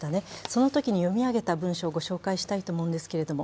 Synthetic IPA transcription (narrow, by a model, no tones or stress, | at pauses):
t̪ane̞so̞no̞t̪o̞kʲiɲ̟ijo̞mʲiaɡe̞t̪abɯ̟̃ɰ̃ɕo̞ːɡo̞ɕo̞ːkaiɕi̥t̪ait̪o̞ːmo̞ɯ̃nd̪e̞sɨ̥keɾe̞d̪o̞mo